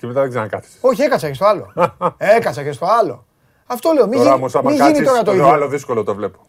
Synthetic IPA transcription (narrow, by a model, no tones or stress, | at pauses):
t̪imet̪ɐðeɡzeɾnɐkɐt̪i̥so̞çie̞kɐsɐcest̪oɐlo̞̰e̞kɐsɐce̞st̪o̞ɐlo̞̰ | ɐft̪o̞le̞o̞mioɾɐoosɐmɐiʝɐinit̪o̞ɾɐt̪oioaloðiskolot̪ovle̞po̥